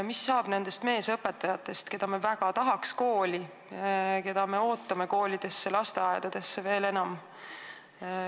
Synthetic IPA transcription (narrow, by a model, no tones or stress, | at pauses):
misːɑːb̥ne̞nd̪est̪me̞ːsɤpːˑe̞t̪ːˑɑjɑt̪ːˑe̞st̪ke̞d̪̥ɑme̞væɡ̥ɑt̪ɑɦɑksko̞ːlʲi | ke̞d̪̥ɑme̞o̞ːt̪ːˑɑme̞ko̞ːlʲid̪̥e̞sːelɑst̪eɑed̪̥ɑd̪̥e̞sːeve̞ːle̞nɑm